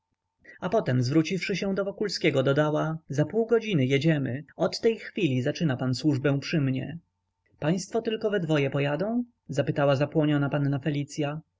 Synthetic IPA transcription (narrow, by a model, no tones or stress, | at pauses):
apɔt̪ɛmzvɾut͡ɕifʂɘɕɛ̃d̪ɔvɔkulskʲɛɡɔd̪ɔd̪awazapuwɡɔd͡ʑinɘjɛd͡ʑɛmɘɔt̪ːɛjxfʲilʲizat͡ʂɘnapanswuʐbɛ̃w̃pʂɘmɲɛ̰ | paj̃st̪fɔt̪ɘlkɔvɛd̪vɔjɛpɔjad̪ɔ̃w̃ | zapɘt̪awazapwɔɲɔnapanːafɛlʲit̪sʲja